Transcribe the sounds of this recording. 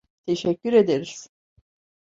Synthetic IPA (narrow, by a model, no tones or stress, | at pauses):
t̪ʰe̞ʃɛcʲːyɾe̞d̪eɾiz̥